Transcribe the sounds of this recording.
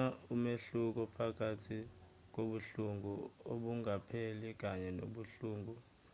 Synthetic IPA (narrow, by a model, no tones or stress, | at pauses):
aumeɬuk̬ɔpʰak̬ʰʼatʰi | k̬oɓuɬuŋɡuoɓuŋapʰelik̬aɲɛno̰ɓuɬuːŋɡu